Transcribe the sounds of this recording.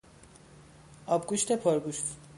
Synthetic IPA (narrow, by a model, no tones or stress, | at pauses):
ɒbɡuʃt̪ʰepʰoɾɡuʃt̪